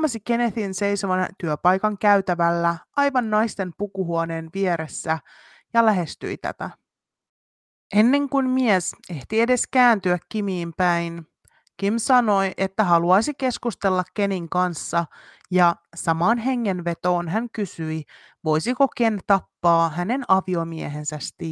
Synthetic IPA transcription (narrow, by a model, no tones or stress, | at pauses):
mɑsike̞neθinse̞jso̞ʋɑnt̪yøpɑjkɑŋkæyɥt̪æʋælːæɑjʋɑnːɑjst̪e̞mpukuɦuone̞ːnʋieɾe̞sːæ | jɑlæɦe̞st̪y̰it̪æ̰t̪æ̰ | ʔe̞nːe̞ŋkunmiese̞ht̪ie̞de̞skæːnt̪yækːimiːmpæjn | k̟imsɑno̞jʔe̞t̪ːæɦɑluɑjsike̞skust̪e̞lːɑkːe̞niŋkɑnsːɑ | jɑsɑmɑːnɦe̞ŋːe̞nʋe̞t̪o̞ːnɦæŋkysyi | ʋo̞jsiko̞k̟e̞nt̪ɑpːɑːɦæne̞nɑʋio̞mieɦe̞nsæst̪i